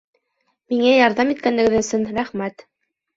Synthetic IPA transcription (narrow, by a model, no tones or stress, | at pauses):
miŋæjɑɾðɑmit̪̚kænːɘ̆ɡɘðɵ̆sɵnɾæχmæt̪